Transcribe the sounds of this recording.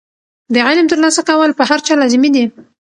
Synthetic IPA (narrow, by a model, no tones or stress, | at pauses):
d̪əʕɪlmt̪əɾlɑsakawəlpəɦaɾt͡ʃɑlɑzmid̪i